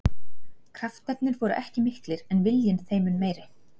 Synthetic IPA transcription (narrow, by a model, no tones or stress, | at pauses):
kʰɾaft̪ɛt̪nɪɾvɔɾʏ̰ʔɛhcɪmɪhklɪɾɛnvɪljɪnθeːjmʏnmeːjɾɪ